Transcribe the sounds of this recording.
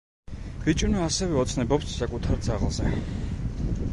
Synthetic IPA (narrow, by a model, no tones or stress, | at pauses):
v̥it͡ʃʼunɔasɛvɛɔt̪sʰnɛbɔpsːakʼut̪ʰaɾd̪zaʁlˠzɛ